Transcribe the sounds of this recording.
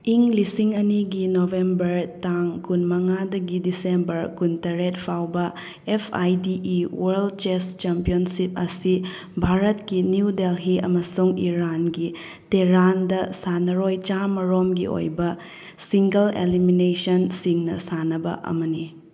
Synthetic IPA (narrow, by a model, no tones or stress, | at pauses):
iŋlisiŋɐniɡinobʱembɐɾtaŋkunmɐŋadɐɡidisembɐɾkuntɐɾet̚pʰawbɐ | epʰa̰jdiʔwɐɾld̚t͡ʃest͡ʃempionsip̚ɐsi | bʱaɾɐtkinjudelɦiɐ̰mɐsuŋiɾanɡi | teɾandɐsanɐɾojt͡ʃamɐɾomɡḭo̰jbɐ | siŋɡɐlḛliminesɐnsiŋnɐ̰sanɐbɐ̰ʔɐ̰mɐni